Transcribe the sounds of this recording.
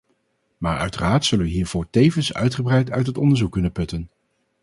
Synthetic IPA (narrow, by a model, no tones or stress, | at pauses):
maːɹœ̰ɥtəraːɹtsɵlənʋəɦiːɹv̥ʊːɹtejvənsœ̰ɥtχəbrɛjtʰœ̰ɥtɦətɔndəɹzukːɵnənpɵtən